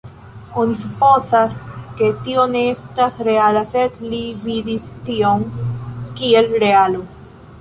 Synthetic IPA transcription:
onisupozaske̞tio̞ne̞estasɾe̞alasedlividistio̞mkie̞lɾe̞alo

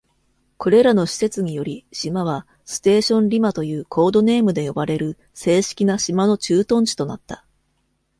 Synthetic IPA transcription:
kʰo̞ɾe̞ɾano̞ɕi̥se̞t͡sɨɲ̟ijo̞ɾʲiɕimaβ̞a | sɨ̥t̪e̞ːɕõ̞nɾʲimat̪o̞jɯ̟ːkʰo̞ːd̪o̞ne̞ːmɯ̟d̪e̞jo̞baɾe̞ɾɯ̟ | se̞ːɕi̥kʲinaɕimano̞t͡ɕɨːt̪õ̞ɲ̃t͡ɕi̥t̪o̞nat̪ːḁ

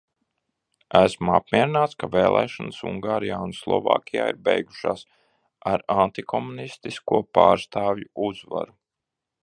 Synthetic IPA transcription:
æsma̰p̚mʲiɛɾinaːt̪skaveːlˠʔɛ̰ːʃansṵŋɡaːɾijaːunslˠɔ̰va̰ːkʲija̰ːiɾbejɡuʃaːs | aɾant̪ikʰɔmunist̪iskuɔpaːɾst̪aːvjuuzva̰ɾu

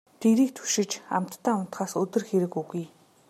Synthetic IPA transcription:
t̪eɾiːk̚t̪ʰu̥ʃɪ̆t͡ɕa̰m̥t̪ːaːʊn̥t̪χaːsɵt̪ɵ̆rxeɾɘ̆kuɣuj

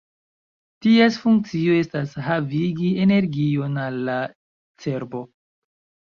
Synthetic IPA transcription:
tiesfuŋk̚t͡sio̞e̞stasɦaviɡie̞ne̞ɾɡio̞nalːa | t͡se̞ɾbo̞

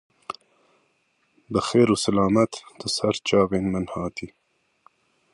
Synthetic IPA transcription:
bəxeːɾusalɑːmat̪d̪̥əsaɾt͡ʃɑːɣenmanhɑːt̪ʰi

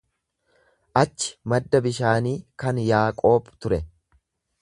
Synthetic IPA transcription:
ʔɐt͡ʃːɪ̥mɐd̪ːɐbɪʃaːniːkɐnjaːkʼo̞ːbt̪ʊɾɛ

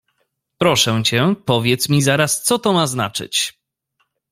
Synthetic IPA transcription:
pɾɔʂɛ̃t͡ɕɛpɔvʲjɛt̪smʲizaɾast̪sɔt̪ɔmazna̰t͡ʂɘ̰t͡ɕ

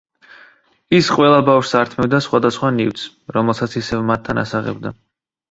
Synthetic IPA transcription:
isqʼwɛlˠabafʃsaɾt̪ʰmɛbd̪asχwad̪asχwanivt̪s | ɾɔmɛlˠsat̪sʰisɛvmat̪ʰːana̰saʁɛ̰bd̪a

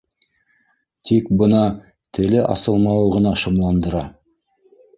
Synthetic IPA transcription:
t̪ʰikbə̆nɑ | t̪ʰɘlɘʔɑ̰sɤlˠmɑwʁə̆nɑʃŏmlˠɑnd̪ə̆ɾɑ

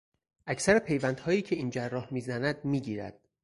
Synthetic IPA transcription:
ʔæcʰsæɾepʰe̞jvænd̪̥hɒːjiːcʰe̞iːnd͡ʒærːɒːhmiːzænæd̪̚miːɟiːɾæ̰d̪̥

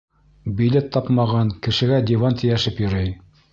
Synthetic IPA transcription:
bʲilʲet̪ʰːɑpmɑʁɑŋkɘ̆ʃɘ̆ɡæd̪ʲivɑnt̪ʰɘ̆jæʃɘpjɤ̆ɾɤj

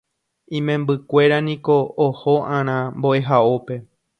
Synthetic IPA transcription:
ĩmẽmbɨkʷe̞ɾanĩko̞ːhoʔãɾ̃ãmbo̞ʔe̞ɦaope̞

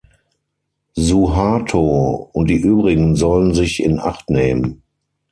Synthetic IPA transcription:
zuɦaːtʰoːʊnt̚d̥iːʔyːbʁɪɡŋ̩zɔlənzɪçɪ̰nʔa̰χtneːmən

